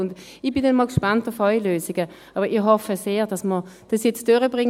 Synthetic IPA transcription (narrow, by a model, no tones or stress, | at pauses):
ʊnd | ɪbɪndɛnmɔlkʃpɑntɔfaɪløːsɪɡə | ʔɑːbəɪɦɔfəseːʁd̥ɑsməd̥ɑsjɛt͡sd̥øʁəbʁɪŋ